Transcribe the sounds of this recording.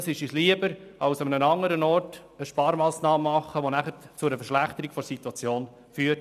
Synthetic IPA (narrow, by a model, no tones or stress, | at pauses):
sɪʃisliəbəɾɑwsɑmənənɑŋːəɾənɔrtəʃpɑːɾmɑːsnɑːmmɑχːəʋonæχəɾt͡sʊɾəfəɾʃlæχt̪əɾiɡ̥fɔɾsit̪wɑt͡sjoːn | fyːət